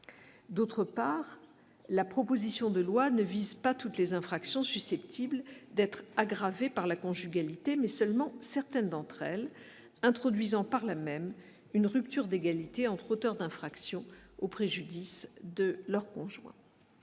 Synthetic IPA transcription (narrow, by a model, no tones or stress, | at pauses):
d̪ot̪χəpaʁ | lapχɔpozisjɔ̃d̪əlwanəvizpat̪ut̪lezɛ̃fχaksjɔ̃sysɛpt̪ʰibld̪ɛt̪χaɡʁavepaʁlakɔ̃ʒyɡalit̪emɛsœlmɑ̃sɛʁt̪ɛnd̪ɑ̃t̪χɛl | ɛ̃t̪χɔd̪ɥizɑ̃paʁlamɛm | ynʁypt̪yʁd̪eɡalit̪eɑ̃t̪χot̪œʁd̪ɛ̃fχaksjɔ̃opχeʒyd̪isd̪əlœʁkɔ̃ʒwɛ̰̃